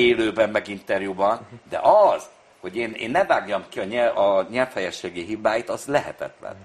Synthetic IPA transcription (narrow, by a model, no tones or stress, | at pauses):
eːløːbɛmmːɛɡint̪ɛrjubɒnd̪ɛ̰ʔɒz̥ | ho̞ɟeːneːnːɛvaːɡjɒmkiɒɲɛɒɲɛlfhɛjɛʃeːɡiɦibaːjit̪ɒzlɛɦɛ̰t̪ɛ̰t̪lɛ̰n